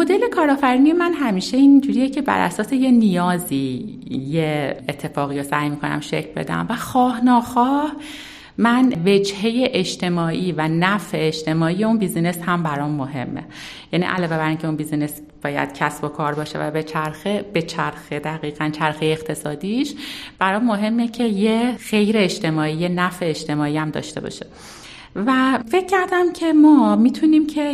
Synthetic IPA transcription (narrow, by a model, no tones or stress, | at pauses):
mod̪e̞le̞kʰɒːɾɒːfæɾiniemænɦæmiːʃe̞ind͡ʒuɾijecʰe̞bæ̰ɾʔæ̰sɒːse̞je̞nijɒːziːjeet̪ʰːe̞fɒːɣiːjosæjmiːkʰonæ̰mʃḛcʰlbḛd̪æ̰mvæxɒːhnɒːxɒːh | mænve̞d͡ʒhe̞jeʔeʃt̪ʰe̞mɒːʔiːvænæfeeʃt̪ʰe̞mɒːijeunbiːzineshæmbæɾɒːmːo̞ɦe̞̰mːḛ | jænḭʔæ̰lɒːve̞bæɾiːncʰe̞unbiːzines | b̥ɒːjæ̰d̪̥cʰæsbo̞kʰɒːɾbɒːʃe̞̰væ̰be̞t͡ʃʰæɾxeb̥e̞t͡ʃʰæɾxed̪æɣiːɣ̥ænt͡ʃʰæɾxejeːxt̪ʰe̞sɒːd̪iːʃb̥æɾɒːmːo̞ɦe̞mːecʰe̞jexe̞jɾe̞ːʃt̪ʰe̞mɒːijenæfeːʃt̪e̞mɒːijæmd̪ɒ̰ːʃt̪e̞̰bɒ̰ʃe | væfe̞cʰːæɾd̪æmcʰe̞mɒːmiːt̪ʰuniːmcʰe̞